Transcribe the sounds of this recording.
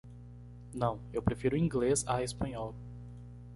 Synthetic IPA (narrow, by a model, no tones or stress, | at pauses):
nɐ̃w̃ewpɾefiɾʊĩŋɡlezaespɐ̃ɲɔl